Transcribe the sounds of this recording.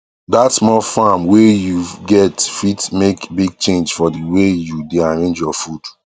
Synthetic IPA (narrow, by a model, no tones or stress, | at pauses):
datsmɔfamwejuɡɛtfitmekbiɡ̚t͡ʃẽnd͡ʒfɔdiwejudeãɹẽnd͡ʒjɔfud̥